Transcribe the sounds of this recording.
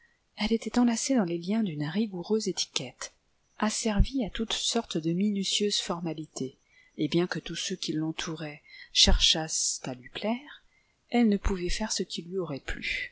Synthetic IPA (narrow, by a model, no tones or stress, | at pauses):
ɛlet̪ɛt̪ɑ̃lased̪ɑ̃leljɛ̃d̪ynʁiɡuʁøzet̪i̥kʲɛt̪ | asɛʁviat̪ut̪sɔʁt̪d̪əminysjøzfɔʁmalit̪ʰe | ebjɛ̃kət̪usøkʲʰilːɑ̃t̪ʰuʁɛʃɛʁʃast̪alɥiplɛʁ | ɛlnəpuvɛfɛʁsəkʰʲilɥiɔʁɛply̰